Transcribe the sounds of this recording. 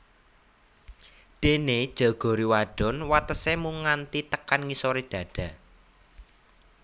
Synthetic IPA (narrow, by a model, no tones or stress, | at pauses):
d̪̥ened̥ʒ̥ɔ̤ɡ̥ɔ̤ɾiwaɖ̥ɔ̤nwat̪əsemuŋant̪it̪əkanŋisoɾid̥ä̤ɖ̥a̤